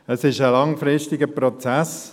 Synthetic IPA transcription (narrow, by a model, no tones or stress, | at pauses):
əsɪʃəlɑŋfɾɪʃtɪɡəpɾɔt͡sæs